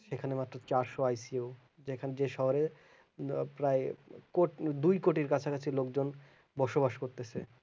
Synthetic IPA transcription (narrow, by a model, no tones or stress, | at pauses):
ʃekʰanemat̪ːɾot͡ɕaɾʃoajsiew | d͡ʑekʰand͡ʑeʃɔɦoɾe | pɾaekoʈd̪ujkoʈiɾkat͡ɕʰakat͡ɕʰilokd͡ʑon | bɔʃobaʃkoɾt̪et͡ɕʰe